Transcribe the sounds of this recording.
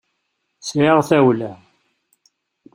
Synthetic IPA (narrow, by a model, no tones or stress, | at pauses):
sʕiʁθæwlæ